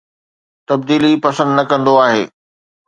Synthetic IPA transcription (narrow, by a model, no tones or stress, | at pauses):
t̪ɐbd̪iːlipɐsə̃nd̪nɐkɐ̃nd̪oaːɦḛː